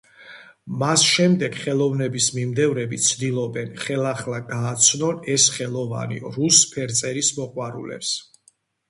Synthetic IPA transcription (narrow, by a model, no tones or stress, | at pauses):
masʃɛmd̪ɛɡχɛlˠɔvnɛbismimd̪ɛvɾɛbit̪sʰd̪ilˠɔbɛnχɛlˠaχlˠaɡaːt̪sʰnɔnɛsχɛlˠɔva̰nḭɾuspʰɛɾt̪sʼɛɾismɔqʼwaɾṵlɛ̰ps